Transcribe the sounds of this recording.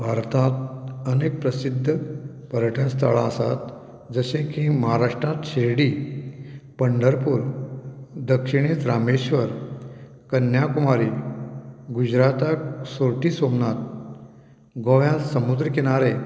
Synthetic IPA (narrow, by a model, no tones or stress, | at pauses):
bʱaɾt̪at̪̚ənek̚pɾəsid̪ʱːə | pəɾəʈʰãst̪ʰa̰ɭa̰əsa̰t̪ | d͡zəɕẽkĩməɦaɾaʂʈɾat̪ɕeɾɽiː | pəɳɖəɾpuɾ | d̪əkʂiɽ̃et͡sɾameɕʋəɾ | kənjakumaɾiː | ɡud͡ʑɾat̪aksoɾʈiːsomnat̪̚ | ɡoʋjasəmud̪ɾəkeɽ̃aɾe